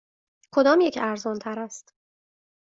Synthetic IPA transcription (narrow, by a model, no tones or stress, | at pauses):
kʰo̞d̪ɒːmjecʰæɾzɒnt̪ʰæɾæst̪